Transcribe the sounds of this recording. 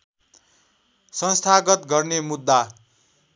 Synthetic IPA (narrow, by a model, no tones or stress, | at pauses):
sʌnst̪ʰaɡʌt̪ɡʌrnemud̪ːa